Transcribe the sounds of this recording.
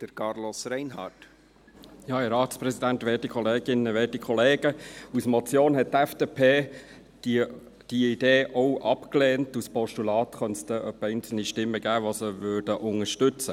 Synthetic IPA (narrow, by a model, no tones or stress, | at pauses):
d̥əɾkɑɾlosɾɛɪnɦɑ̰ːt | jɑːɛɾɑːtspɾɛsidænt̪ʋɛːtikʰɔleːɡɪnːəʋɛːtikʰɔleːɡ̥əusmɔt͡sjoːnɦɛt̚tɛfd̥eːpʰe̥ː | d̥iid̥eːʔɔwʔɑpkleːntuspɔʃtulɑːt̪χœnst̪əʔœpːɛɪnt͡sl̩niʃtɪmːəɡ̥æːʋosəʋøːɾdəʔʊŋəʃtʏt͡sə